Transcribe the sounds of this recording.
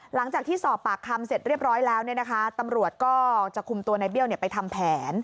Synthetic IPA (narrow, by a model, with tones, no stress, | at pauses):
la˩˦ŋt͡ɕaː˨˩k̚t̪ʰiː˥˩sɔː˨˩pːaː˨˩k̚ʰa˧mse˨˩t̪̚ɾi˥˩p̚ɾɔː˦˥jlɛː˦˥wni˥˩əna˦kʰa˦˥t̪a˧mɾu˨˩ət̪̚kɔː˥˩t͡ɕa˨˩kʰu˧mt̪u˧ɐna˧jbi˥˩əwni˥˩əpa˧jt̪ʰa˧mpʰɛː˩˦n